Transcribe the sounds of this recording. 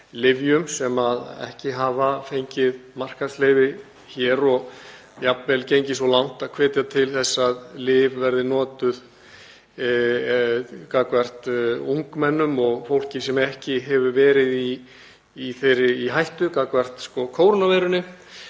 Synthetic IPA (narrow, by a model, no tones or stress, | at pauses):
lɪvjʏmsɛmaðɛ̰hcɪɦaːvafejɲcɪðmar̥kaslejvɪ | çɛːɾɔɣ | japvɛlcejɲcɪsvɔlawn̥t̪aðkʰvɛːt̪jat̪ʰɪlθɛsːaðlɪːvvɛɾðɪnɔːt̪ʏð | kakvɛr̥t̪uŋkmɛnːʏmɔɣfowl̥cɪsɛmɛhcɪɦɛvʏvɛːɾɪðiː | θejɾːɪiɦajht̪ʏkakvɛr̥t̪skɔkʰoːwɾnavɛjɾʏnːɪ